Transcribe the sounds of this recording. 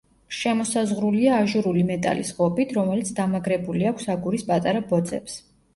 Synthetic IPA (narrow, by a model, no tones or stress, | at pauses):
ʃɛmɔsazʁɾuliaːʒuɾulimɛt̪ʼa̰lḭsʁɔpʼit̪ʰɾɔmɛlit̪sʰd̪amaɡɾɛbuliakʷʰsaɡuɾispʼat̪ʼaɾabɔd̪zʼɛ̰ps